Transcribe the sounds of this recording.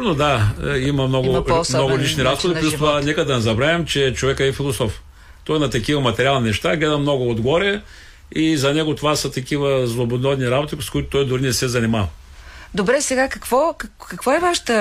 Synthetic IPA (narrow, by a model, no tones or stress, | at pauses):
nod̪aimɐmnɔɡʊmnɔɡʊlit͡ʃniɾazɡod̪iplʲust̪ovanɛkəd̪ɐnɛzɐbɾavɛmt͡ʃɛt͡ʃovɛkəɛːfilˠosɔf | t̪ɔjnɐt̪ɐkivɐmɐt̪ɛɾʲialˠninɛʃt̪aɡlɛd̪əmnɔɡʊod̪ɡɔɾɛ | izɐnɛɡʊt̪ovasɐt̪ɐkʲivəzlˠobod̪nɔd̪niɾabot̪iskʊit̪ʊ̥t̪ɔjd̪ʊɾinɛsɛzɐnimavə | d̪obɾɛsɛɡakɐkvɔkɐkɐkvɔɛvaʃə̥t̪ə